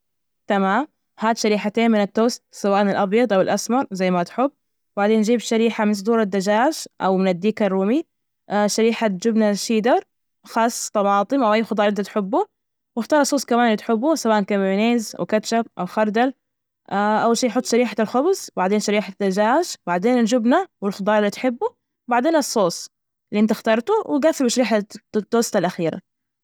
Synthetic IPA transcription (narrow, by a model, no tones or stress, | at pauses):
t̪amaːm | haːd̪ʃaɾiːħat̪eːnmɪnɪt̪ːoːst̪̚sawaːʔnɪlʔɑbjɑd̪ˤʔawɪlʔasmɑɾˤzajːmat̪ħʊbː | baʕd̪eːnd͡ʒiːbʃaɾiːħamɪnsˤd̪ˤuːɾˤad̪ːad͡ʒaːʃʔa̰wmɪnɪd̪ːiːkɑrːuːmi | ʃaɾiːħad͡ʒʊbnaʃiːd̪ɑɾˤ | xɑːsˤːt̪ˤɑmɑːt̪ˤɨmʔawʔajːxɑd̪ˤɑːɾˤʔɪnt̪at̪ħʊbːu | wɪxt̪ɑːɾˤɑsˤːoːskamaːnlit̪ħɪbːusabaːnkamʕneːzwkat͡ʃab̚ʔa̰wxɑɾˤd̪al | ʔaʔawːalʃiːjħʊt̪ˤːʃaɾiːħalxʊbzbaʕd̪eːnʃaɾiːħat̪ːad͡ʒaːʃbaʕd̪eːnɪld͡ʒʊbnawɪlxʊd̪ˤɑːɾˤlːit̪ħɪbːu | wbaʕd̪eːnɑsˤːoːsˤ | liʔɪnt̪ɪxt̪ɑːɾˤt̪uwɪɡaθɪlbʃaɾiːħat̪ːoːst̪alʔaxiːɾa̰